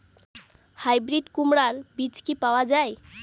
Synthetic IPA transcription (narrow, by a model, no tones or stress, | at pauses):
hajbɾiɖkumɽaɾbit͡ɕkipawad͡ʑaj